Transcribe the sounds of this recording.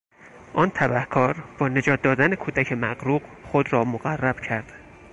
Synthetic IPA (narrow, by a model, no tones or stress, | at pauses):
ʔɒːnt̪ʰæbæhkʰɒːɾb̥ɒːne̞d͡ʒɒːt̪̚d̪ɒːd̪ænekʰuːd̪æcʰe̞mæɣɾuːɢxod̪ɾɒːmoɣærːæb̥cʰæɾd̪̥